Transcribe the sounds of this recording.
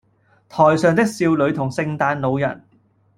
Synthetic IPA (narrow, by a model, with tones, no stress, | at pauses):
t̪ʰɔː˨˩jsœː˨ŋt̪ɪ˥k̚siː˧wlɵ˨˧ɥt̪ʰʊ˨˩ŋsɪ˧ŋt̪aː˧nlo˨˧wjɐ˨˩n